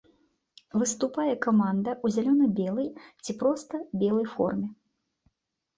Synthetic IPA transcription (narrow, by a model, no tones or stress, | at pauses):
vɨst̪upajɛkamand̪ɐuzʲalʲɔnɐbʲɛlˠɐjt͡sʲipɾɔst̪ɐbʲɛlˠɐjfɔ̰rmʲɛ